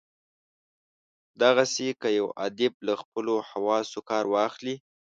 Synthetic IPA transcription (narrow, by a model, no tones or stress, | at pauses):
d̪aɣasekəjawa̰d̪ɪb̚laxpəlohawɑsokɑɾwɑxli